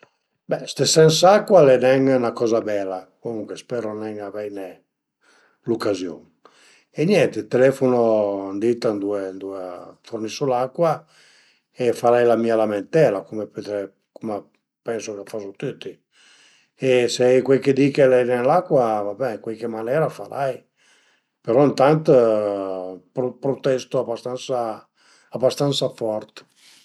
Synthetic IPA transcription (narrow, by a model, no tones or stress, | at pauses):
bɛst̪esɛnsakːwalɛnɛŋnakɔːzabɛlakomuŋkwespɛːɾonɛŋavɛjne | lokːazjo̰ŋ | enjɛnt̪et̪elɛfonond̪it̪and̪uend̪uefornisolakːwa | efaɾajlamiːalament̪ɛːlakomepet̪ɾɛ | kome | pɛnsokeafasot̪ut̪ːi | eseɛjkwelked̪ikelɛnenlakːwavabɛkwelkemanɛːɾafaɾʔaj | peɾɔint̪ant̪ | pɾopɾot̪ɛst̪oabast̪ansa | abast̪ant̪safɔrt̪